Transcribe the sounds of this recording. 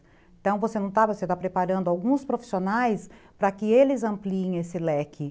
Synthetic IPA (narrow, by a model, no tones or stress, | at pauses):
t̪ɐ̃w̃vosenɐ̃w̃t̪avoset̪apɾepaɾɐ̃nd̪ʊawɡũspɾofi̥sionajspɾɐkɪelɪzɐ̃mpliẽj̃esɪlɛkʰɪ